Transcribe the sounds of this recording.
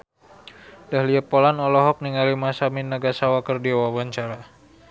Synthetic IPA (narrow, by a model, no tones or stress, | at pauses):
dahliəpolanɔlɔɦɔk̚niŋalimasaminːəɡasawakərdiawawaɲt͡ʃaɾa